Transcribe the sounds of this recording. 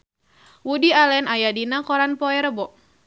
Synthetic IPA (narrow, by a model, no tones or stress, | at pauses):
wudialɛnajadinakɔɾanpɔɛɾbɔʔ